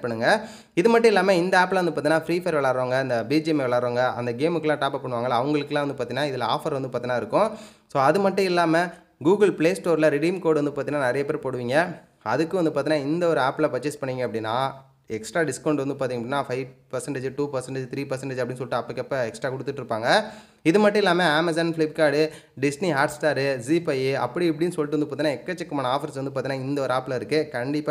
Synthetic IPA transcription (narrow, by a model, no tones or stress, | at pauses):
pːɐɳːɯŋɡɐ | ɪðɯmɐʈːʊ̃ɪlːaːmeɪnd̪ɐaːpːlɐnd̪ɯpaːt̪ĩnːaːfɾiːfɐɾʋɛɭaːɾaːŋɡɐɪnd̪ɐbiːd͡ʒmeʋɭaːɾaːŋɡɐʔɐ̰nd̪ɐɡeːmɯkːɯlãːʈaːpɐpɐɳːɯʋaːŋɡɐlaːɐʋɐŋɡɐɭɯkːɯlãːʋɐnd̪ɯpaːt̪iːŋnaːɪðɪlɐa̰ːfɐɾʋɐnd̪ɯpaːɾt̪inːaːɪɾɯkːʊ̃ | soːɐðɯmɐʈːʊ̃ɪlːaːmɐ | ɡuːɡɐlpɭeːsʈoːɾlɐɾɪɽiːmkoːɽɯʋɐnd̪ɯpaɾt̪iŋnaːnɐɾɐjɐpeːɾpoːɽɯʋiːŋɡɐ | ɐðɯkːɯʋɐnd̪ɯpaːɾt̪iːnaːɪnd̪ɐɔɾɯaːpːlɐpɐt͡ʃːɐspɐɳːiːŋɡɐpːɐɽɪnːãː | ɛksʈɾaːɖɪskɐʊɳɖʋɐnd̪ɯpaːɾt̪iŋɐpːɐɽɪnːaːfɐɪʋpɐɾsɛɳʈeːd͡ʒɯʈuːpɐɾsɛɳʈed͡ʒt̪ʰɪɾiːpɐɾsɛɳʈeːd͡ʒɐpːɐɽɪnɯs̬ɔlːʈːɯ̃ːɐpːɐɽkːɐpːɐɛksʈɾaːkɔʊɽɯt̪ːɯʈːɪɾɯpːaːŋɡɐ | ɪðɯmɐʈːʊ̃ɪlːaːmɐaːmɐsɐnflɐɪp̚kaːɽɯ | ɖɪsniɦaːɖsʈaːɾɯziːpɐjɯɐpːɐɽiɛp̬ːɐɽɪjnsɔlʈːɯʋɐnd̪ɯpoːt̪iːnːaːɛkːɐt͡ʃːɛkːɐmaːnɐaːfɐɾsʋɐnd̪ɯpaɾt̪iːnaːɪnd̪ɐɔɾɯaːplɐɪɾɯkːɯkɐɳɖɪpːaː